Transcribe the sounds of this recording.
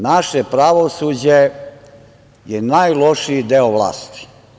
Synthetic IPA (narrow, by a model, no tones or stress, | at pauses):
naʃepɾaʋosuːd͡ʑe | jenaːjloʃid̪eoʋlˠa̰ːst̪i̥